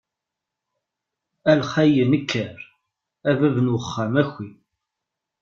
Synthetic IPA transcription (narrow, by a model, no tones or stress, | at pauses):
ælχæjənəkʰːəɾ | ævæðənwəχːamæçːi